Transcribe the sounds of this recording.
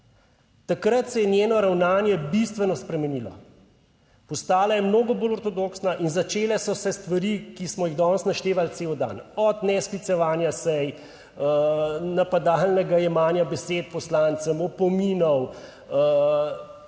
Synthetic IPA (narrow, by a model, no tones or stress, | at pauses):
t̪akɾət̪sɛjɛnjeːnɔɾawnaːnjɛbist̪ʋɛnɔspɾɛmɛniːlɔ̰ | pɔst̪aːlajɛmnoːɡɔboːlɔɾt̪ɔd̪oːksnaʔinzat͡ʃeːlɛsɔsɛst̪ʋaɾikismɔjiɣd̪ɔːnsnaʃt̪eːʋalt̪seːwd̪a̰ːnɔd̪nɛsklit̪sɛʋaːnjasɛj | napad̪alnɛɡajɛmaːnjabɛseːt̪̚pɔslant̪səmɔpɔmiːnɔw